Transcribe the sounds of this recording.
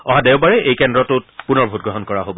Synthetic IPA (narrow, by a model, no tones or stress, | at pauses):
ɔɦadeʊbaɹɛʔejkɛndɹɔtʊt̚punɔɹbʱut̚ɡɹɔɦɔnkɔɹaɦobɔ